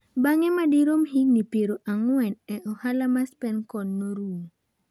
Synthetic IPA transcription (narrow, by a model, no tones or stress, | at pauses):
baŋɛmadiɾomhiŋnipeɾoʔaŋwɛnɛʔɔhalamaspɛnkɔnːoɾu